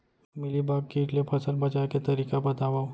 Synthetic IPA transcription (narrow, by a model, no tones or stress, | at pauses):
mɪlibaːb̚kiːʈlepʰɐsəlbɐt͡ʃaːket̪ɐɾiːkabɐt̪aːʋa